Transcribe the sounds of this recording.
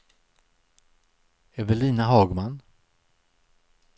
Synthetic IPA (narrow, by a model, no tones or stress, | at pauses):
ɛvɛɭiːnaɦɑːɡman